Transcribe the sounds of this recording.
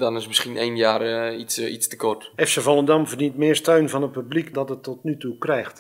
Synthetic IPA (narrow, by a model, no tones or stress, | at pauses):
dɔnɪsmɪskinejnjaːrisistə̥kɔrtɛfsəvɔlˠədɑmvərdintmɪːrstœɥnvɔnət̚pyblikdɔtətːɔtnytukrɛjxt